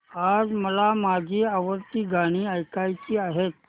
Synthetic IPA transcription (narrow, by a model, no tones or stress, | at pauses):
ad͡zməlamad͡ʑʱiːaʋəɾt̪iːɡʱaɽ̃iːəjkajt͡ɕiːaɦet̪̚